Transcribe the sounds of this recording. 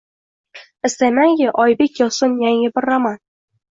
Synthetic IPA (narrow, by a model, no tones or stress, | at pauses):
ɪst̪ajmaŋkʲɪʔɒjbekʲjɒsʊnjaŋɪbɪɾːaman